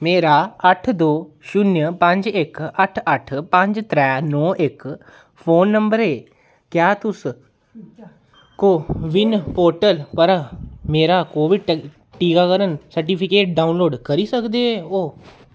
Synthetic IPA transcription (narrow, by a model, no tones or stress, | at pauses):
meːɾaːəʈʰd̪oːʃʊnjəpə̃ɲd͡ʒɪkəʈʰəʈʰpə̃ɲd͡ʒt̪ɾɛːnɔːʔɪk | pʰoːnːəmbəɾɦeː | kjaːt̪ʊs | koːʋɪnpoːɾʈəlpəɾmeːɾaːkoːʋɪ | ʈiːkaːkəɾənsəɾʈ̬iːpʰɪkeːʈ̚ɖaːunloːɖkəɾiːsəkd̪eːɛːoː